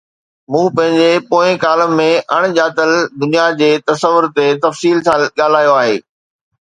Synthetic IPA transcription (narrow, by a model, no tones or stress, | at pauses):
mũːpɐ̃ɦɪ̃ɲd͡ʑepoːɪ̃kaːləːẽʔɐɽ̃ʄaːt̪əld̪ʊnijad͡ʑeːt̪ɐsəʋʊɾt̪et̪ɐfsiːlsãɠaːl̤aːjoaːɦeː